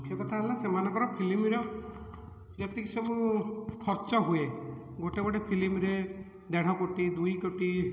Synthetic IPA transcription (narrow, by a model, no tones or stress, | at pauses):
ukʰjɔkɔt̪ʰaelasemanɔkɔɾɔpʰilimiɾɔ | d͡ʒet̪ikisemũkʰɔɾt͡ʃɔɦue | ɡoʈeɡɔɽepʰilimɾe | d̪eɽ̤̃ɔkoʈid̪ujkoʈi